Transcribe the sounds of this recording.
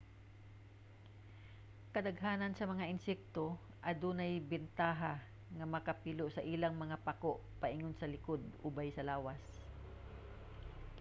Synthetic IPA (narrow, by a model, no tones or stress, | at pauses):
kɐd̪ɐɡɦaːnɐnsɐmɐŋaʔɪnsɛk̚t̪o | ʔɐd̪uːnajbɪnt̪aːɦa | ŋɐmɐkɐpiloʔsɐʔiːlaŋmɐŋapakoʔpaʔɪŋonsɐlɪkod̪̚ʊbajsɐlaːwas